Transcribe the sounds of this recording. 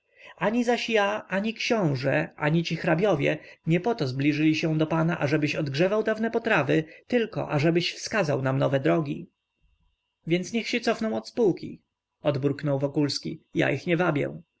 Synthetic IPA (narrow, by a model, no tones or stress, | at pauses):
aɲizaɕjaʔaɲikɕɔ̃w̃ʐɛʔa̰ɲit͡ɕixɾabʲjɔvʲjɛ̰ɲɛpɔt̪ɔzblʲiʐɘlʲiɕɛ̃d̪ɔpanaʔaʐɛbɘɕɔd̪ɡʐɛvawd̪avnɛpɔt̪ɾavɘt̪ɘlkɔ̰ʔaʐɛbɘɕfskazawnamnɔvɛd̪ɾɔɡʲi | vʲjɛnt̪sɲɛxɕɛt̪sɔfnɔ̃w̃ɔt̪spuwkʲḭ | ɔd̪bɾuknɔwvɔkulskʲija̰ʔixɲɛvabʲjɛ̰̃